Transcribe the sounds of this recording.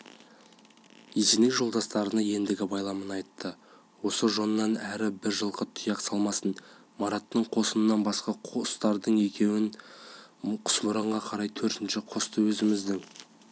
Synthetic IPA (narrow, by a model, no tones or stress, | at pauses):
izenekʒo̞lˠd̪ɑst̪ɑɾənɑje̞nd̪ɪɡʲɪbɑjlˠɑmənɑjt̪ːə | wo̞səʒo̞nənɑnæɾɪbɪɾʒəlˠqət̪ʰʊjɑqsɑlˠmɑsən | mɑɾɑt̪ːəɴqʰo̞sənənːɑnbɑsqɑqʰst̪ɑɾd̪əɴe̞kʲʰe̞wɪn | qʰʊ̥smʊɾɑɴʁɑqʰɑɾɑjt̪ʰɵɾt̪ɪnʃɪqʰost̪əwɵzɪmɪzd̪ɪŋ